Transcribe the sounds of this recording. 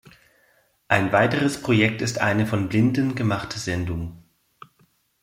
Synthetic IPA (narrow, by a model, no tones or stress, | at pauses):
ʔaɪnvaɪtəʁəspʁ̥ojɛk̚tɪstʔa̰ɪnəfɔnblɪndənɡəmaχtʰəzɛndʊŋ